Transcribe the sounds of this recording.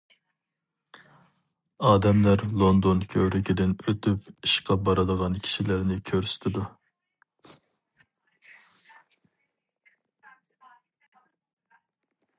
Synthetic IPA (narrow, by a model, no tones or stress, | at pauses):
ɑːd̪ɛmlæɾlˠond̪onkʲʰøwɾɪkʲʰid̪ɪnøt̪ʰypiʃqɑbɑɾɨd̪əʁɑnkʲʰi̥ʃilɪɾnɪkʲʰøɾsy̥t̪ʰɪd̪u